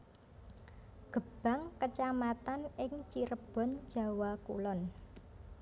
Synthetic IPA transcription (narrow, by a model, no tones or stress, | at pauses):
ɡ̥ə̤b̥a̤ŋkət͡ʃamat̪anɪŋt͡ʃiɾəb̥ɔ̤n̥ʒ̥ä̤wakṵlɔn